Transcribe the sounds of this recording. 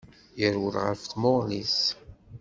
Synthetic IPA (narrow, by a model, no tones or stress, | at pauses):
jəɾwəlʁə̰ɾfθmoʁlis